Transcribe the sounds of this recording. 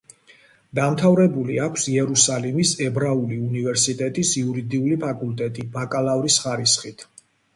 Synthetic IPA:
d̪amt̪ʰavɾɛbuliakʷʰsiɛɾusalimisɛbɾauliunivɛɾsit̪ʼɛt̪ʼisiuɾid̪iulipʰakʼulˠt̪ʼɛt̪ʼibakʼalˠavɾisχaɾisχit̪ʰ

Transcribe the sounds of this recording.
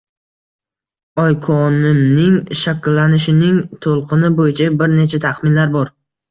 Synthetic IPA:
ɒjkʰɒnɪmnɪŋʃakʲlːanɪʃɪnɪŋt̪ʰolˠqʰɨnɪbojɪt͡ʃʰabɪɾne̞t͡ʃʰat̪ʰaχmɪnlaɾbɒɾ

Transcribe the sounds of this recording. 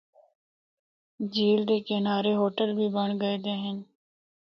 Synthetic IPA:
d͡ʒiːld̪eːkɪnaːɾeɦoːʈəlbʱiːbəɳ̃ɡəed̪eːɦən

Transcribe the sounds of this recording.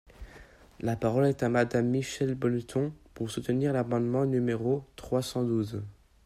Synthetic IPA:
lapaʁɔlɛt̪amad̪amːiʃɛlbɔlt̪ʰɔ̃puʁsut̪əniʁlamɑ̃d̪mɑ̃nymeʁot̪χwasɑ̃d̪uz

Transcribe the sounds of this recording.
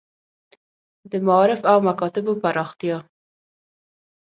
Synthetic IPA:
d̪əmaːɾɪfawmakɑt̪ɪbopaɾɑxt̪jɑ

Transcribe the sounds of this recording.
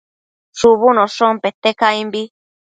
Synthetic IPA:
ʂuβunõʂõmpet̪ːekaimbi

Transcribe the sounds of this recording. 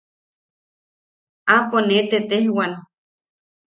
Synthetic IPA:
aponet̪et̪ehwan

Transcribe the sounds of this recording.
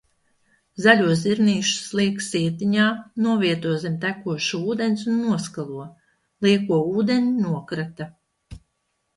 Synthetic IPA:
zalʲuɔsziɾniːʃu̥slˠiɛksiɛt̪iɲaːnuɔviɛt̪uɔzʲimt̪ækuɔʃuuːd̪enʲsunːuɔskalˠuɔ | lˠiɛkuɔuːd̪eɲʲinuɔkɾat̪a

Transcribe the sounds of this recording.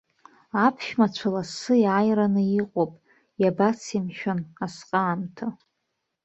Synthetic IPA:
apʰʃᶣmat͡ɕʷʰalasɨjajranɨiqʷʼopʼ | jabat͡sʰimʃᶣanasqʼaːmtʰa

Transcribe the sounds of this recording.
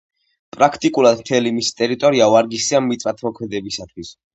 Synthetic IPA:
pʼɾakʰt̪ʼikʼulˠad̪mt̪ʰɛlimisi̥t̪ʼɛɾit̪ʼɔɾiaaɾɡisiamːit̪sʼat̪ʰmɔkʰmɛd̪ɛbisat̪ʰwis

